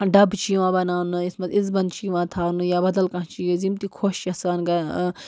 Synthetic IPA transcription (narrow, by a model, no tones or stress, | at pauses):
ɖɐbt͡ʃiːʋãːbɐnaːnɨismɐizbɐnt͡ʃiːʋãːt̪ʰaːnujaːbɐd̪ɐlkɐ̃ɦt͡ʃiːzimt̪ikʰoːʃt͡ʃɐsaːnɡɐ